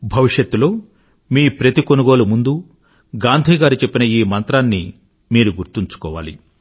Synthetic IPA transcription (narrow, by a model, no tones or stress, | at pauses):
bʱɐʋiʂjɐt̪ːulo̞ː | miːpɾɐt̪ikonuɡo̞ːlumund̪u | ɡaːnd̪ʱiːɡaːɾut͡ʃepːinɐiːmɐnt̪ɾaːnːi | miːɾuɡuɾt̪iɲt͡ʃu̥kɔːʋa̰ːlḭ